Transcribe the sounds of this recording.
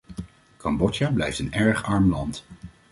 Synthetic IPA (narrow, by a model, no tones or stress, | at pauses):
kɑmbɔt͡ʃablɛjftənɛɹχɑɹmlɑnt